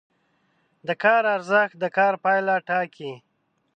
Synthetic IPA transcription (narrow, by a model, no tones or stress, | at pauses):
d̪əkɑːɾaɾzəx̚d̪əkɑːɾpɑjlaʈɑki